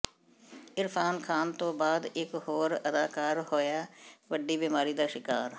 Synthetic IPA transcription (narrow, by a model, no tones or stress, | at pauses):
ɪɾpʰaːnkʰaːnt̪õːbaːd̪ɪkɦoːɾəd̪aːkaːɾhoːjaːʋəɖiːbiːmaːɾiːd̪aːʃɪkaːɾ